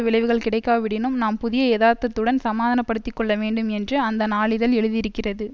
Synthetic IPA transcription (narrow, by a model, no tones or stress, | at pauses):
ɐʋɪɭɐɪʋɯɣɐɭkɪɽɐɪkːaːʋɪɽɪnɯmnaːmpʊðɪjɐeːðaːɾt̪ːɐt̪ːɯɽɐnsɐmaːðɐnɐpːɐɽɯt̪ːɪkːɔɭːɐʋeːɳɖɯmɛndrɯɐnd̪ɐnaːɭɪðɐlɛɻɯðɪɾɯkːɪrɐðɯ